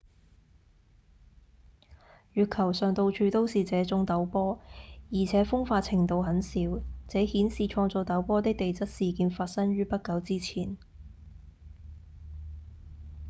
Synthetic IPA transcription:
ɥyː˨t̚kʰɐ˨˩wsœː˨ŋt̪o˧wt͡ʃʰyː˧t̪o˥wsiː˨t͡sɛː˨˥t͡sʊ˥ŋt̪ɐ˨˥wpɔː˥jiː˨˩t͡sʰɛː˨˥fʊ˥ŋfaː˧t̚t͡sʰɪ˨˩ŋt̪o˧wɦɐ˨˥nsiː˨˥wt͡sɛː˨˥hiː˨˥nsiː˨t͡ʃʰɔː˧ŋt͡so˨wt̪ɐ˨˥wpɔː˥t̪ɪ˥k̚t̪e˨jt͡sɐ˥t̚siː˨kiː˧nfaː˧t̚sɐ˥ŋɥyː˥pɐ˥t̚kɐ˨˧wt͡siː˥t͡sʰiː˨˩n

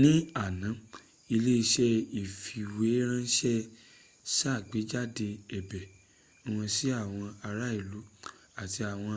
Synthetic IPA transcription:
nĩ˦a˨nã˨˦ | i˧le˦i˧ʃɛ˦i˨fi˨we˨˦ɾ̃ã˦˧˦ʃɛ˦ | sa˦˨ɡ͡be˨˦d͡ʒa˦de˧ɛ˨bɛ˨ | o˦w̃ɔ̃˧si˦a˦˨w̃ɔ̃˧a˧ɾa˦i˦˨lu˨˦ | a˦˨ti˧a˨w̃ɔ̃˧

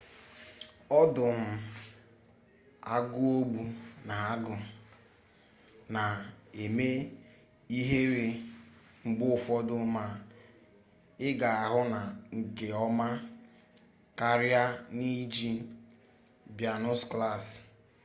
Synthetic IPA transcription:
ɔ˦dʊ˨m̩˨ | a˦ɡʊ˦o˦ɡ͡bu˦na˨a˦ɡʊ˨ | na˨ | e˨me˦ | i˦ɦe˦ɾe˦ | ŋ͡m̩˨ɡ͡bʊ˦ʊ˨fɔ˦dʊ˦ma˨ | ɪ˦ɡa˨a˨ɦʊ˦na˨ŋ̩˨ke˨ɔ˦ma˦ | ka˦ɾja˦ni˦d͡ʒi˦ | bja˨nʊ˦skla˦˨s

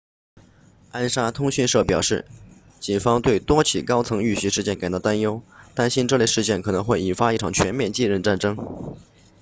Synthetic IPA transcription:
a˥nʂa˥t̪ʰʊ˥ŋɕy˥˧nʂɤ˥˩pjɑ˨˩ʊʂɻ̩˥˩ | t͡ɕi˨˩nfɑ˥ŋt̪we˥˩ɪt̪wɔ˥t͡ɕʰi˨˩kɑ˥ʊt͡sʰɤ˧˥ŋy˥˩ɕʂɻ̩˥˧t͡ɕjɛ˥˩nka˨˩t̪ɑ˥˩t̪a˥njo˥ʊt̪a˥˧nɕi˥nʈ͡ʂɤ˥˧le˥˧ɪʂɻ̩˥˧t͡ɕjɛ˥˩nkʰɤ˨˩nɤ˧˥ŋxwe˥˩ɪi˨˩nfa˥i˥˩ʈ͡ʂʰɑ˨˩ŋt͡ɕʰɥɛ˧˥nmjɛ˥˧nt͡ɕi˥˧ɻə˥˧nʈ͡ʂa˥˩nʈ͡ʂɤ˥ŋ

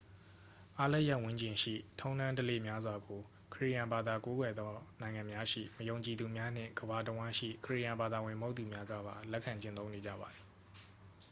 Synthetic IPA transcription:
ʔa˦lɛ˦ʔja˦˨ʔwʊ̃˦ɲt͡ɕɪ̃˨ʃḭ˦˨tʰõ˦ʊ̃ndã˦ntə˦lḛ˦˨mja˦zwa˨ɡo˨ | kʰəɹḭ˦˨jã˨mba˨d̪a˨ko˦ɡwɛ˨d̪ðɔ˦nã˨ɪ̃ŋã˨mja˦ʃḭ˦˨məjõ˨ʊ̃ɲt͡ɕi˨d̪u˨mja˦n̥ɪ̰̃˦˨ŋɡ̥əba˨t̬əwã˦ʃḭ˦˨kʰəɹḭ˦˨jã˨mba˨d̪a˨wɪ̃˨mo˦t̪ːu˨mja˦ɡä̰˦˨ba˨lɛ˦ʔkʰːã˨ɲt͡ɕɪ̃˦˨t̪θõ˦ʊ̃ne˨d͡ʑä̰˦˨ba˨d̪i˨

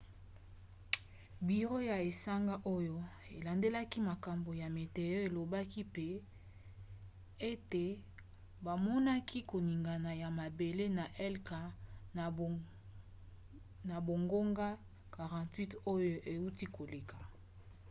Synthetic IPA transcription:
bi˨ʁo˦ja˨e˨sa˦ŋɡa˦ʔo˦jo˦e˨la˨nde˦la˦ki˦ma˨ka˨mbo˨ja˨me˨te˨jo˦e˨lo˨ba˦ki˦pe˦ | e˦te˨ | ba˨mɔ˦na˦kʰi˦ko˨ni˨ŋɡa˨na˨ja˨ma˨be˨le˦na˨ʔɛ˦lka˨ | na˨bo˨ŋɡo˦ŋɡa˦ | ka˨ʁɑ̃˨twi˦to˦jo˦ʔe˨u˦ti˦ko˨le˨ka˨

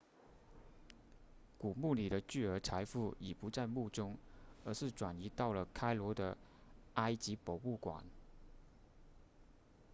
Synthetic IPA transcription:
ku˨˩mu˥˩li˨˩ɾə˦t͡ɕy˥˩ə˞˧˥t͡sʰa˧˥ɪfu˥˩i˨˩pu˧˥t͡sa˥˧ɪmu˥˩ʈ͡ʂʊ˥ŋə˧˥ʂɻ̩˥˩ʈ͡ʂwa˨˩ni˧˥t̪ɑ˥˩ʊlə˩kʰa˥ɪlwɔ˧˥d̪ə˧a˥ɪt͡ɕi˧˥po˨˩ʊu˥˩kwa̰˨˩˦n

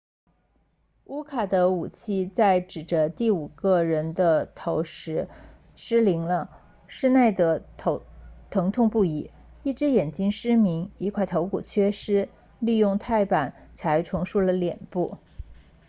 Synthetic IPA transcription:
u˥kʰa˨˩d̪ə˦u˨˩t͡ɕʰi˥˧t͡sa˥˩ɪʈ͡ʂɻ̩˨˩ʈ͡ʂə˦t̪i˥˩u˨˩ɡə˥˧ɻə˧˥nd̪ə˧t̪ʰo˧˥ʊʂɻ̩˧˥ | ʂɻ̩˥li˧˥ŋlə˧ | ʂɻ̩˥˧ne˥˩ɪd̪ə˩˧˥ | t̪ʰɤ˧˥ŋt̪ʰʊ˥˧ŋpu˥˩i˧˩˦ | i˥˩ʈ͡ʂɻ̩˧˥jɛ˨˩nt͡ɕi˥ŋʂɻ̩˥mi˧˥ŋi˧˥kʰwa˥˩ɪt̪ʰo˧˥ʊkṵ˨˩t͡ɕʰɥɛ˥ʂɻ̩˥ | li˥˧jʊ˥˧ŋt̪ʰa˥˩ɪpa˨˩˦nt͡sʰa˧˥ɪʈ͡ʂʰwɤ˧˥ŋʂu˥˩lə˩ljɛ̰˨˩npu˥˩

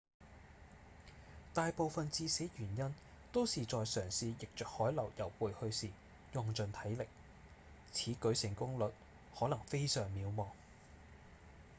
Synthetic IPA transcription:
t̪aː˨jpo˨˧wfɐ˨nt͡siː˧se˨˥ɥyː˨˩njɐ˥n | t̪o˥wsiː˨t͡sɔː˨jsœː˨˩ŋsiː˨˧jɪ˨k̚t͡ʃœː˨k̚hɔː˨˥jlɐ˨˩wjɐ˨˩wpuː˨jhɵ˧ɥsiː˨ | jʊ˨˩ŋt͡sɵ˨nt̪ʰɐ˨˥jlɪ˨k̚ | t͡sʰiː˨˥kɵ˨˥sɪ˨˩ŋkʊ˥ŋlɵ˨t̚ | hɔː˨˥lɐ˨˩ŋfe˥jsœː˨˩ŋmiː˨˧wmɔː˨˩ŋ

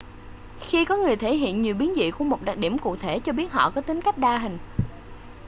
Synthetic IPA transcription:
xi˧kɔ˨˦ŋɨ˨˩əjt̪ʰe˧˩˦ɦḭ˧˨ənɲi˨˩wɓi˨˦ənzḭ˧˨ku˧˩əmo˨˩t̚ɗa˨˩k̚ɗi˧˩əmku˨˧˨k̚t̪ʰe˧˩t͡ɕɔ˧ɓi˦˥ət̚ɦɔ̰˧˨kɔ˨˦t̪ï˨˦ŋ̟ka˦˥jk̚ɗaː˧ɦï˨˩ŋ̟

